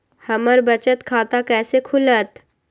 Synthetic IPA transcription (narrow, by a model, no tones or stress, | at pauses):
hɐməɾbɐt͡ʃət̪kʰaːt̪akɛːsekʰʊlət̪